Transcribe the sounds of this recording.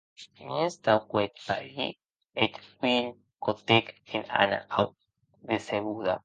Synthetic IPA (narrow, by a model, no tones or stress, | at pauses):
ɲest̪awkwet̪̚paɾḭ | et̪win | kot̪ekena̰na̰aw | ðeseβuða̰